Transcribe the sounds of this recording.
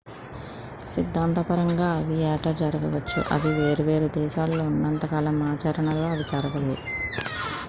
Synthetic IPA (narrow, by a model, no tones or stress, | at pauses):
sid̪ʱːaːnt̪ɐpɐɾɐŋɡaːɐʋijɛːʈɐd͡ʒɐɾɐɡɐʋɐt͡ʃːṵʔɐ̰d̪iʋe̞ːɾuʋe̞ːɾud̪ɛːʃaːlːo̞ːunːɐnt̪ɐkaːlɐmaːt͡ʃaːɾɐɳɐlo̞ːɐʋit͡ʃaːɾɐʋɐleːu